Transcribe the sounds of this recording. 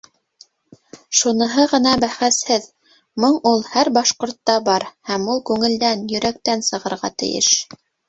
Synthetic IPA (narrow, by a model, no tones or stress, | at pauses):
ʃunɤ̆ɦɤʁɤ̆nɑbæχæshɘð | mɤɴulˠhæɾbɑʃqŏɾt̪ːɑbɑɾhæmulˠkʉŋɘ̆ld̪ænjɵ̆ɾæk̚t̪ænsɤ̆ʁɤ̆ɾʁɑ̰t̪ɘ̰̆jɘ̰ʃ